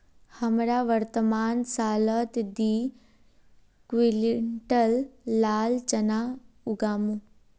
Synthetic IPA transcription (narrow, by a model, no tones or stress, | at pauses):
hɐmɾaʋəɾt̪əmaːnsaːlət̪d̪iː | kʋilɳʈəlːaːlt͡ʃəna | ʊɡaːmũ